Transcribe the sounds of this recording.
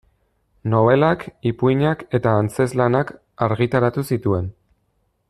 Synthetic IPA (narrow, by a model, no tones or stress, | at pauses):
no̞β̞e̞lakipuiɲake̞t̪aːnt͡se̞zlanak | aɾɣit̪aɾat̪usit̪ue̞n